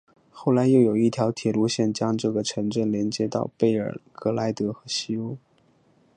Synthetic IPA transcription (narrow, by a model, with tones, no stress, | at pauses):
xo˥˩ʊla˧˥ɪjo˥˩ʊjo˨˩ʊi˥˩t̪ʰjɑ˧˥ʊt̪ʰjɛ˨˩lu˧˥ɕjɛ˥˩nt͡ɕjɑ˥ŋʈ͡ʂɤ˥˩ɡə˩ʈ͡ʂʰɤ˧˥ŋʈ͡ʂə˥˩nljɛ˧˥nt͡ɕjɛ˧˥t̪ɑ̰˥˧ʊpe˥˩ɪə̰˞˨˩kɤ˧˥la˧˥ɪt̪ɤ˧˥xɤ˧˥ɕi˥u˥